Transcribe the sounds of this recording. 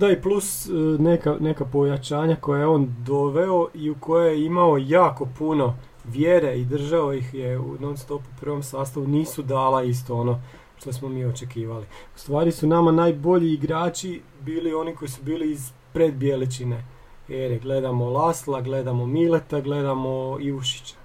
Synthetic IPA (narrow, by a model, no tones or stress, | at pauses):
d̪aiplusnekane̞kapo̞jat͡ʃaːɲako̞jaeeo̞ːnd̪o̞ʋe̞o̞ʔiuko̞jejeimao̞jaːko̞puno̞ | ʋjeɾe̞id̪r̩ʒaojixjeṵnomst̪o̞pupr̩ʋo̞msaːst̪aʋuniːsud̪aːlˠais̬t̪o̞o̞no̞ | ʃt̪osmo̞miːo̞t͡ʃe̞kiːʋaliu̥st̪ʋaːɾisunamanaːjbo̞ʎiːɡɾaːt͡ʃi | biːlio̞niko̞jisubiːliːz | pɾed̪bjelit͡ʃine̞ | eɾiɡle̞d̪amolaslˠaɡle̞d̪amo̞milet̪aɡle̞d̪amo̞iuʃi̥t͡ɕḁ